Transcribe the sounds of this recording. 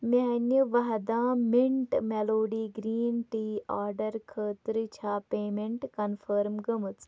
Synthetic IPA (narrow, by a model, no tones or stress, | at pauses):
meɦɐnʲiʋɐɦɐd̪ãːmiɳʈmeloːɖiːɡɾiːnʈiːaːɾɖɐɾkʰəːt̪ɾɨt͡ʃʰaːpeːmeɳʈkɐnfʰəːɾmɡəmɨt͡s